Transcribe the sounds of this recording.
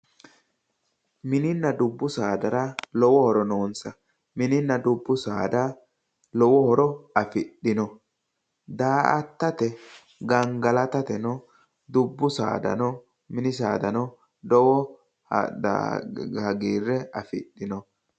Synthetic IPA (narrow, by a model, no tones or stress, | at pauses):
mɪnɪnːɐd̪ʊbːʊsaːd̪ɐɾɐlɔwɔhɔɾɔnoːnsɐ | mɪnɪnːɐd̪ʊbːʊsa̰ːd̪a | lɔwɔhɔɾɔɐfɪɗɪnɔ | d̪aːʔɐt̪ːɐt̪ɛ | ɡɐŋɡɐlɐt̪ɐt̪ɛnɔ | d̪ʊbːʊsa̰ːd̪ɐ̰nɔ | mɪnɪsaːd̪ɐnɔ | d̪ɔwɔ | a̰hɐɡiːrːɛɐfɪ̰ɗːɪnɔ